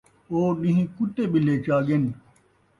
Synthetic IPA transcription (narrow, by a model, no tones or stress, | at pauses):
oːnĩɦĩkuʈeːɓileːt͡ɕaːɡen